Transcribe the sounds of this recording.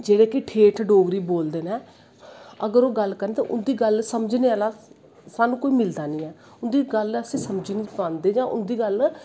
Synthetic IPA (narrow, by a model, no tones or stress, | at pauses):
d͡ʒeːɽeːkɪʈʰeːʈʰɖoːɡɾiːboːld̪eːnɛ̃ː | əɡəɾoːɡəlkəɾndeːt̪ã̰ːʔʊnd̪iːɡəlsəməd͡ʒneːaːlaː | saːnũːkoːiːmɪld̪aːnĩːɛː | ʊnd̪iːɡələsẽːsəmd͡ʒinipãːnd̪eːd͡ʒãːʔʊ̰nd̪iːɡəl